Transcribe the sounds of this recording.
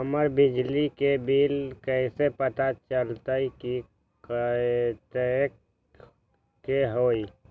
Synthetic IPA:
əməɾbɪd͡ʒlikebiːlkɛɪsepət̪at͡ʃəlt̪aiki | k | t̪ək | keɦoːi

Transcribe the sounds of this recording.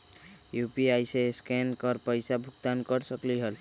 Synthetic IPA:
jupiajseskenkɔɾpəjsabʱukt̪ankɔɾsɔkliɦəl

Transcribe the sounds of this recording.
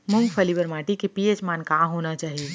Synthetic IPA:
mʊ̃ŋɡpʰəliʋəɾmaːʈikipiet͡ʃmaːnkãːɦonat͡ʃaːɦi

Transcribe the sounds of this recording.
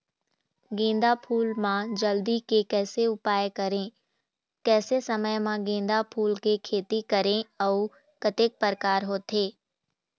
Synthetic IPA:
ɡẽːnd̪apʰuːlmãd͡ʒəld̪ikekɛːseʊpaːjkɐɾẽ | kɛːsesəməjmãɡẽːn̆d̪apʰuːlkekʰeːt̪ikəɾẽɔʊ | kət̪ek̚pəɾkaːɾɦoːt̪ɦeː

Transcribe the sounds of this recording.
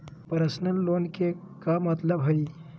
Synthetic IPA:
pəɾəsnənlonke | kamət̪ləbɦəi

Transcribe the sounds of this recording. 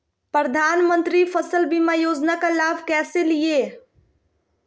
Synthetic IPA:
pɾəd̪ʱaːnmə̃nt̪ɾifʰəsəlbimajoːd͡ʒnakalaːbʱkɛːselie

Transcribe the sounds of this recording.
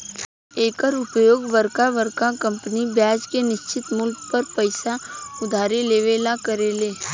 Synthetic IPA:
eːkəɾʊpjoːɡʋəɾkaʋəɾkakə̃mpənibjaːd͡ʒkenɪʃt͡ʃɪt̪mʊlkpəɾpəɪsaʊd̪ʱaːɾeleːʋeːlakəɾeːleː

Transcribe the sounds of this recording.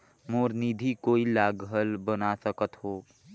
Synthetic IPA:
moɾnid̪ʱikoilaɡəlbənasəkət̪ɦo

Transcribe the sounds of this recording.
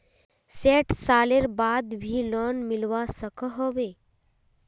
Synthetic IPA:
seʈsaleɾbad̪bʱiːlɔnmilʋasəkəɦoʋe

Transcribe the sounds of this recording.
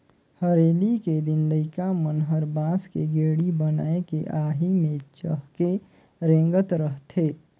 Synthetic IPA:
həɾeːliked̪ɪnləɪkamənɦəɾbaːskeɡeːɽibəna̰ːekeʔaːɦimẽt͡ʃəɦke | ɾẽːŋɡət̪ɾəɦt̪ʰeː

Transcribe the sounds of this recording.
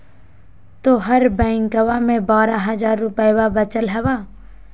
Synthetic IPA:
t̪oːɦɐɾbɛ̃ːɪ̃ŋkəʋamẽbaːɾaɦɐzaːɾːʊpəjwabət͡ʃəlɦɛʋaː

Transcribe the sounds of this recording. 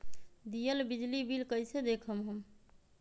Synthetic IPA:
d̪ijəlbid͡ʒlibilkəjsed̪ekʰəmɦəm

